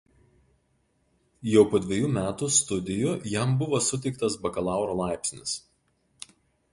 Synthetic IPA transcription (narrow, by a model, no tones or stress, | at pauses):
jɛʊpoːd̪ʲʋʲeɛjuːmʲæːt̪ust̪ʊd̪ʲɪjʊjɛˑmbʊʋoːsʊt̪ʲɛɪkt̪ɐsbɐkɐlˠɑˑʊɾoːlˠɑˑɪpʲsʲnʲɪs